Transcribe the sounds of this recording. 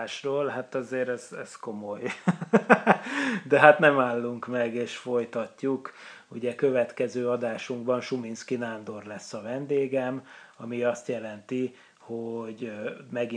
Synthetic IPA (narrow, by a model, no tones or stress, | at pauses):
ʃroːlɦat̪ɒzeːɾɛz̥ɛ̰sko̞moj | d̪ɛɦat̪nɛmaːlːuŋkmɛɡeːʃfo̞jt̪ɒcːuk | uɟɛkø̞vɛt̪kɛzøːɒd̪aːʃuŋɡbɒnʃuminskinand̪o̞rlɛsːɒvɛnd̪eːɡɛmɒmiɒst̪jɛlɛnt̪i | hoɟmɛɡi